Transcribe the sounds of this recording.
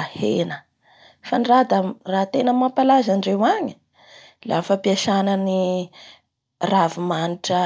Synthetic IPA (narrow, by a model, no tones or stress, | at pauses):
henə | fanirad̪ərat̪enəmampalazanɖ͡ʐewaɲi̥ | lafapiaʃanəni | ravumaniʈ͡ʂə